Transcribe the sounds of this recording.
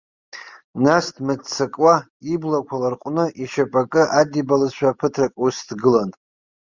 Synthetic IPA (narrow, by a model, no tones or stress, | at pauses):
nasdʰmɨdt͡sʰakʼwa | iblakʷʰalarqʷʼnɨʔiʃapʼakʼɨʔadibalɨzʃʷᶣaːpʰɨtʰrakʼusdɡɨlan